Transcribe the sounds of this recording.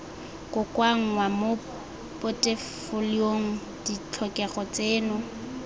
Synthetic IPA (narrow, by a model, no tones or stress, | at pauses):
kʼʊkʼwaŋ̩ŋwamo | pʼʊtʼefʊlioŋ̩ | d̥it͡ɬʰɔkʼɛɣɔt͡sʼeːnʊ